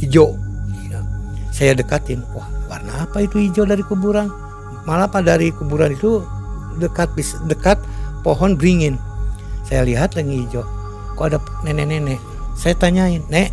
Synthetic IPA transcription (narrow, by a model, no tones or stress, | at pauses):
id͡ʒɔʔjasajadəkat̪ɪnwahwarnaːpait̪uid͡ʒɔdaɾikubuɾan | malapadaɾikubuɾanit̪u | dəkat̪̚bisdəkat̪̚pɔɦɔnbɾiŋinsajaliɦat̪lɛŋid͡ʒɔ | koada | nɛnɛnɛnɛʔ | sajat̪aɲainːɛʔ